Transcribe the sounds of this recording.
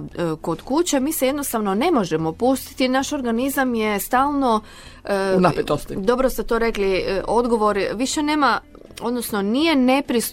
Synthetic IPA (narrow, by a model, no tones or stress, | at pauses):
ko̞d̪kut͡ɕemiːseje̞d̪no̞st̪aʋnone̞mo̞ʒemo̞pust̪i̥t̪inaʃo̞ɾɡanizamjest̪aːlˠno̞ | napet̪ost̪id̪o̞bɾoset̪oɾe̞kliʔo̞d̪ɡo̞ʋo̞ɾʋiʃe̞neːma | o̞d̪nosno̞nijene̞pɾis